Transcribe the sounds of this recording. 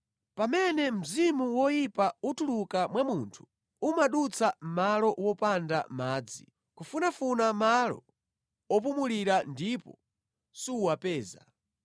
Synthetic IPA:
pamɛnɛm̩zimuwɔjipautulukamwamuntʰu̥ | umaɗut͡sʰam̩malɔwɔpanda̰maːd͡zi | kufunafunamalɔ̰ | ɔp̬umuliɾandipɔ̰ | suwapɛːza

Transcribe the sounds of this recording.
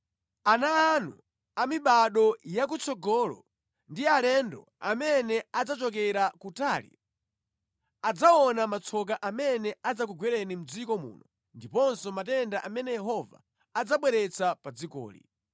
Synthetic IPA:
anaːnṵ | amiɓaɗɔjak̬ut͡sʰɔɡɔːlɔ̰ | ndialɛndɔ̰ | a̰mɛnɛad͡zat͡ʃɔkɛɾakutaːlḭ | ad͡zaɔnamat͡sʰɔk̬aʔamɛnɛad͡zak̬uɡwɛɾɛnim̩d͡zikɔmṵːnɔ | ndipɔnsɔmatɛndaʔamɛnɛjɛɦɔva̰ | ad͡zaɓwɛɾɛt͡sʰapad͡zikɔ̰ːlḭ

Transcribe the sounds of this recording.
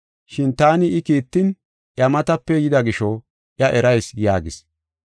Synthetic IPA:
ʃɪnt̪aːnɪɪkiːt̪ːɪn | ʔjɐmɐt̪ɐpːɛjɪd̪ɐɡɪʃɔ | ʔjɐʔɛɾɐjsjaːɡɪ̰s

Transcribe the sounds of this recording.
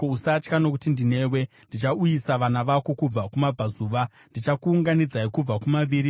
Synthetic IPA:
ousat͡ʃkano̞kutindine̞we̞ndit͡ʃaujisaʋanaʋako̞kub͡vakumab͡vazuːʋa | ndit͡ʃakuːŋɡanid͡zaikub͡vakumaʋiːɾi

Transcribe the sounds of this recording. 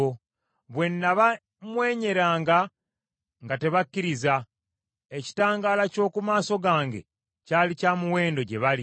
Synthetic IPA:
o | βwe̞nːaβa | mwe̞ːɲe̞ɾaːŋɡa | ŋɡate̞βakːiɾiza | eci̥taːŋɡaːlaco̞ːkumaːso̞ɡaːŋɡḛ | caːlicaːmuwe̞ːndo̞ɟe̞βali

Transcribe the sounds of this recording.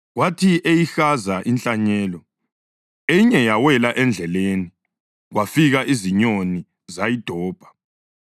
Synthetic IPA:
ɣwatʰiʔejixazaʔint͡ɬʼaɲɛːlɔ | ejiɲɛjawɛlaʔɛnd͡ɮʱɛleni | ɣwafiɣaʔiziɲoni | zajid̥ʱɔːb̥ʱḁ

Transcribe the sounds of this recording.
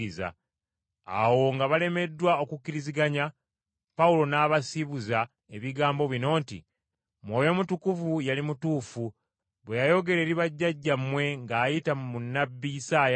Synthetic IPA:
iza̰ | a̰wo̞ŋɡaβale̞me̞dːwao̞kukːiɾiziɡaɲa | paulo̞naːβasiβuza | e̞βiɡaːmbo̞βino̞ːntḭ | mwo̞ːjo̞mutukuvujalimutuːfu | βwejajo̞ɡe̞lɾe̞ːɾiβaɟːaɟːamwe̞ŋɡaːjitamunːabːijisaːja

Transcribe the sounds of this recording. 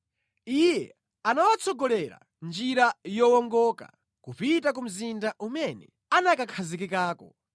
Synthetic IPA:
ijɛ | anawat͡sʰɔɡɔlɛɾa̰ | nd͡ʒiɾajɔwɔŋɡɔka̰ | kupitakum̩zindaʔumɛnɛ | anakakʰazikikaːkɔ

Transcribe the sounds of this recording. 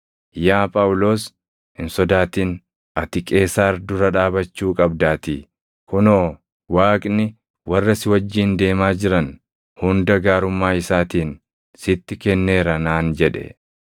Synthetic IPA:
jaːpʼɐʊlo̞ːs | hɪnsɔd̪aːt̪iːn | ʔɐt̪ɪkʼe̞ːsaːɾd̪ʊɾɐᶑaːbɐt͡ʃːuːkʼɐbd̪aːt̪i | kʊnoː | waːkʼnɪ | wɐrːɐsɪwɐd͡ʒːiːnd̪e̞ːmaːd͡ʒɪɾɐn | hʊnd̪ɐɡaːɾʊmːaːɪsaːt̪iːn | sɪt̪ːɪkɛnːe̞ːɾɐnaːnd͡ʒɛᶑɛ̰

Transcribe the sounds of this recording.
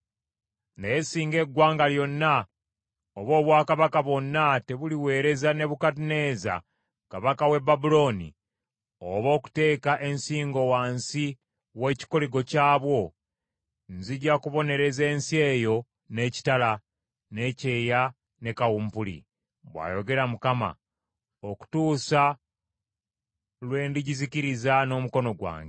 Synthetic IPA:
ndajesiːŋɡe̞ɡːwaːŋɡaljo̞nːa | oβo̞ːβwaːkaβakaβo̞nːate̞βuliwe̞ːɾe̞zane̞βukatine̞ːza̰ | kaβakawe̞babulo̞nḭ | o̰βo̞ːku̥te̞ːkaʔe̞nsiːŋɡo̞waːnsi | we̞ːci̥koliɡo̞caːβwo̞ | nziɟakuβo̞ne̞ɾe̞ze̞ːnsie̞ːjo̞ | ne̞ːci̥tala | ne̞ce̞ːja | ne̞kawuːmpulḭ | βwa̰ːjo̞ɡe̞ɾamukama̰ | oku̥tuːsa | lwe̞ːndiɟiziciɾizano̞ːmuko̞no̞ɡwa̰ːŋɡ

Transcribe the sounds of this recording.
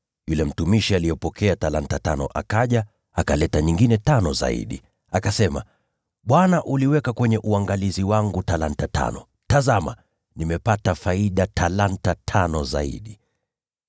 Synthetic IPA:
julɛm̩tumiʃialijɔpɔkʰɛatalantatanɔ̰ʔakaʄa | akalɛtaɲiŋɡinɛtanɔza̰ḭɗi | akasɛma̰ | ɓwanaʔuliwɛkakwɛɲɛʔuaŋɡaliziwaŋɡutalantata̰nɔ | tazama̰ | nimɛpatafaiɗatʰalantatʰanɔza̰ḭɗi

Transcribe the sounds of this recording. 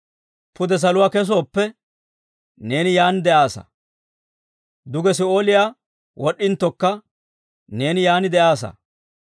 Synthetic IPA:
pʊd̪ɛs̬ɐlʊwaːkɛs̬oːpːɛ | ne̞ːnɪjaːnd̪ɛʔaːsɐ̰ | d̪ʊɡɛs̬ɪo̞ːlɪjaː | wɔɗːɪnt̪ːɔkːɐ | ne̞ːnɪjaːnɪd̪ɛʔaːsɐ̰

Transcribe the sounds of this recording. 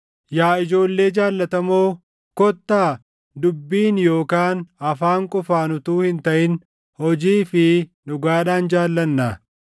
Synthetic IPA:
jaːɪd͡ʒo̞ːlːe̞ːd͡ʒaːlːɐt̪ɐmoː | kɔt̪ːaː | d̪ʊbːiːnjo̞ːkaːnɐfaːŋkʼʊfaːnʊt̪uːhɪnt̪ɐʔɪn | hɔd͡ʒiːfɪnʊɡaːᶑaːnd͡ʒaːlːɐnːaː

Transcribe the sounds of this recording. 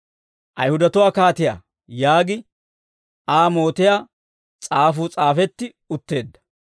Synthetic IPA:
ʔɐjhʊd̪ɐt̪ʊwaːkaːt̪ɪja̰ː | jaːɡɪ | ʔaːmo̞ːt̪ɪjaː | t͡sʼaːfuːt͡sʼaːfɛt̪ːɪ | ʊt̪ːe̞ːd̪ːɐ̥

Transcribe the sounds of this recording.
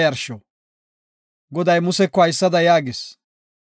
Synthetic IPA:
jɐɾʃo | ɡɔd̪ɐjmʊsɛkːɔɐjsːɐd̪ɐjaːɡɪs

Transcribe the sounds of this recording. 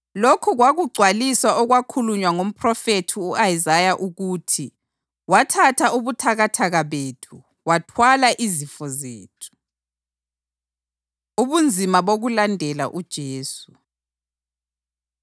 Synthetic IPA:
lokʰuɣwaɣuɡ͡ǀʱwalisaʔɔɣwakʰuluɲwaŋom̩pʰrɔfetʰiuajizajaʔuɣutʰi | watʰatʰauβutʰaɣatʰaɣaβeːtʰu | watʰwalaʔizifɔzeːtʰu̥ | uβund͡zʱimaβoɣulandʱɛla̰ʔud̥ʒ̥ʱeːsu

